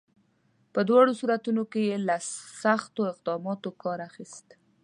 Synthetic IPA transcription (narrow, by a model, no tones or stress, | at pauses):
pəd̪wɑɽosuɾat̪unokejelasaxt̪oɪq̚d̪ɑmɑt̪okɑɾaxist̪